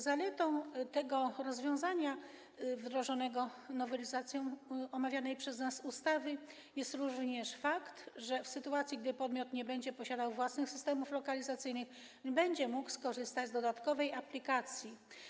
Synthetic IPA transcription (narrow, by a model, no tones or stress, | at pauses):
zalɛt̪ɔ̃w̃t̪ɛɡɔɾɔzvʲjɔ̃w̃zaɲa | vd̪ɾɔʐɔnɛɡɔnɔvɛlʲizat̪sʲjɔ̃w̃ɔmavʲjanɛjpʂɛznasust̪avɘ | jɛst̪ɾuvɲɛʂfakt̪ʐɛfsɘt̪uat̪sʲjiɡ̚d̪ɘpɔd̪mʲjɔt̪ɲɛbɛɲd͡ʑɛpɔɕad̪awvwasnɘxsɘst̪ɛmuflɔkalʲizat̪sɘjnɘx | bɛɲd͡ʑɛmukskɔʐɘst̪ad͡ʑzd̪ɔd̪at̪kɔvɛjaplʲikat̪sʲji